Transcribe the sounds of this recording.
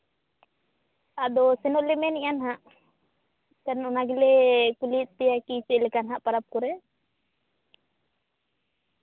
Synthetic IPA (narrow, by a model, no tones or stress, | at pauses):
ad̪ɔsɛnɔʔlɛmɛnijanɦaʔ | kanɔnaɡilɛkulit̪̚ˀpɛjakisɛlɛkanɦaʔpaɾap̚kɔɾɛ